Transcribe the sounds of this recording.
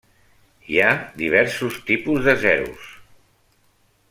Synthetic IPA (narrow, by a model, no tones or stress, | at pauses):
iad̪iβ̞ɛɾsust̪ipuzðəzɛɾṵs